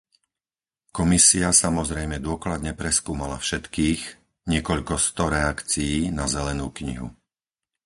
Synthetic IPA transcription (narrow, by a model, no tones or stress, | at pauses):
kɔmisiasamɔzɾɛjmɛd̪ʊɔklad̪ɲɛpɾɛskuːmala̰fʃɛt̪kiːx | ɲɪɛkɔʎkɔst̪ɔɾɛakt͡sijiːnazɛlɛnuːkɲḭɦṵ